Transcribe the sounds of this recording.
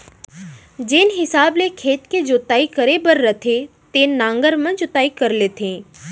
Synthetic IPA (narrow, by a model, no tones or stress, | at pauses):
d͡ʒeːnɦɪsaːblekʰeːt̪ked͡ʒoːt̪aːikəɾebəɾːət̪ʰet̪eːnnãːŋɡəɾmə̃nt͡ʃʊt̪aːikəɾlet̪ʰẽː